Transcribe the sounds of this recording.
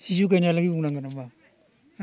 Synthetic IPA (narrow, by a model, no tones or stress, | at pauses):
sis̬uk̬analaɡiuŋnaŋɡanama